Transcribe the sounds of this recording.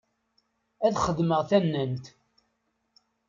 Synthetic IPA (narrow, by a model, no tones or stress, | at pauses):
æðχəðməʁθænːənt̪